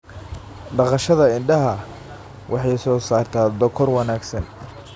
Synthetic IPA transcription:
ɖɑqɑʃɐðɐɪɳɖɐɦɐ | wʔɑħɑjsɔːsaːrt̪ʰaːd̪ɔkʰɔrwɑnaːɡsɐn

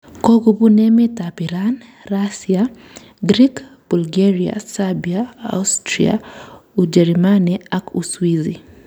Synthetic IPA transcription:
koɡubunɛmɛtapiɾanrasia | ɡɾikb̥ulɡeɾia̰sabiaa̰ustɾḭa̰ud͡ʒɛɾmaniakuswizi

